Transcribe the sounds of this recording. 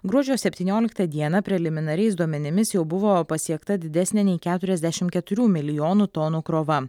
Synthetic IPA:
ɡɾuɔd͡ʒʲoːsʲɛpʲt̪ʲiːnʲoːlʲɪkt̪ɐd̪ʲiɛnɐpʲɾʲɛlʲɪmʲɪnɐɾʲɛɪsd̪uɔmʲɛnʲɪmʲɪsjɛʊbʊʋoːpɐsʲiɛkt̪ɐd̪ʲɪd̪ʲɛsʲnʲɛnʲɛɪkʲæːt̪ʊɾʲɛzʲd̪ʲæʃʲɪmkʲɛt̪ʊɾʲuːmʲɪlʲɪjoːnuːt̪ɔːnuːkɾoːʋɐ

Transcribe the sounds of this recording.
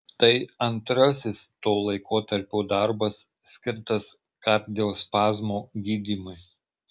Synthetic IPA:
t̪ɐɪɐnt̪ɾɐsʲɪst̪oːlˠɐɪkʰoːt̪ɐɾʲpʲuːd̪ɐɾbɐsːʲ | kʲɪɾt̪ɐs | kɐˑɾʲd̪ʲɪjoːspɑːzmoːɡʲiːd̪ʲiːmʊɪ

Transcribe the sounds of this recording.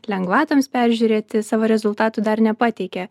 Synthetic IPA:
lʲɛŋɡʋɑːt̪oːmspʲæˑɾʲʒʲuːɾʲeːt̪ʲɪsɑːʋoːɾʲɛzʊlˠt̪ɑːt̪uːd̪ɐɾnʲɛpɑːt̪ʲɛɪkʲɛ

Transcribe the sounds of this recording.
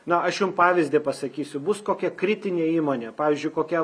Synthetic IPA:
nɐɐʃjʊmpɑːʋʲɪzʲd̪ʲeːpɐsɐkʲiːsʲʊbʊskoːkʲɛkɾʲɪt̪ʲɪnʲeːiːmoːnʲeːpɑːʋʲiːzʲd͡ʒʲʊɪkoːkʲɛ

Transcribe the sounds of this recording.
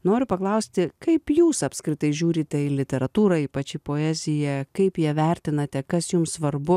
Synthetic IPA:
noːɾʲʊpɐklˠɐʊsʲt̪ʲɪkɐɪpjuːsɐpʲskɾʲɪt̪ɐɪʒʲuːɾʲiːt̪ʲɛɪlʲɪt̪ʲɛɾɐt̪uːɾɐiːpɐt͡ʃʲɪpoːɛːzʲɪjɛkɐɪpjiɛʋʲɛɾʲt̪ʲɪnɐt̪ʲɛkɐsjʊmsʋɐɾbʊ

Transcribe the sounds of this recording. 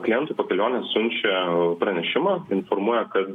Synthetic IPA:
klʲɪjɛnt̪ʊːpɐkʲɛlʲoːnʲɛsʊnʲt͡ʃʲɛpɾɐnʲɛʃʲɪmɑːɪnfoɾmuɔjɛkɐt̪

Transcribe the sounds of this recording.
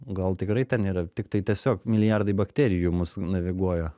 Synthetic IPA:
ɡɐlˠt̪ʲɪkɾɐɪt̪ʲɛniːɾɐt̪ʲɪkt̪ɐɪt̪ʲiɛsʲoːkmʲɪlʲɪjɑrd̪ɐɪbɐkt̪ʲæːɾʲɪjuːmʊsnɐʋʲɪɡuɔjoː

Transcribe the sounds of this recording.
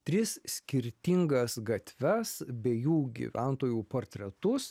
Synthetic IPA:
t̪ʲɾʲɪssʲkʲɪɾʲt̪ʲɪŋɡɐsɡɐt̪ʲʋʲɛsbʲɛjuːɡʲḭʋʲʔæˑnt̪oːjuːpoːɾʲt̪ʲɾʲɛt̪ʊs

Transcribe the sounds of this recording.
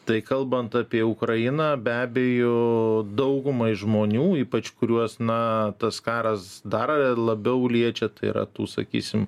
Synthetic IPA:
t̪ɐɪkɐlˠbɐnt̪ɑpʲiɛʊkɾɐjɪnɑːbʲæːbʲejod̪ɐʊɡʊmɐʒmoːnʲuːiːpɐt͡ʃkʊɾʲuɔsnɐt̪ɐskɑːɾɐsd̪ɐrlˠɐbʲɛʊlʲiɛt͡ʃʲɛt̪ɐɪḭɾɐ̰t̪ṵːsɐ̰kʲḭːsʲɪm

